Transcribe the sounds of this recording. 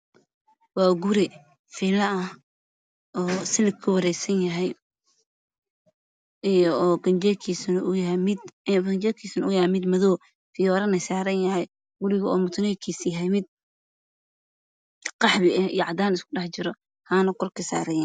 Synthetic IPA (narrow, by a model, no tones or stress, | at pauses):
wɑːɡʊɾɪ | fiːlɐʔɐh | ɔːsɪnɪkkʰɐwɐɾɛjsɐnjɐɦɛj | ijɔːɡɐnd͡ʒɛːkʰiːsɐnʊjɐɦɛmɪd̪ɐnd͡ʒɛːkʰiːsɐnʊjɛmɪd̪mɐðɔː | fɪjɔːɾɐnɐsaːɾɐnjɐɦɛj | ɡʊɾɪɣɐɔːmʊt̪ʰʊnɛːkʰiːsjɦɛjmɪd̪̚ | qɑħbɪɛhijʕɑd̪aːnɪskʰʊɗɑħt͡ʃɪɾɔ | haːnɐkʰɔrkʰɐsa̰ːɾɛjɛ